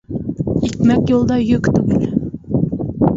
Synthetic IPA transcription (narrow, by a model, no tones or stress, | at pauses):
ekʲmɛkʲjolˠd̪ɑjøkʲt̪ʰyɡʲyl